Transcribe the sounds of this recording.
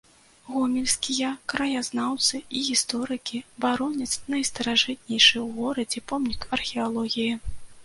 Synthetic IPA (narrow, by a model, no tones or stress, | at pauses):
ɣɔmʲilʲsʲkʲijɐkɾɐjaznawt̪sɨiɣʲist̪ɔɾɨkʲibaɾɔnʲɛt̪snɐjst̪ɐɾaʐɨt̪̚nʲɛjʂɨwɣɔɾɐd͡zʲɛpɔmnʲikɐrxʲɛalˠɔɣʲiji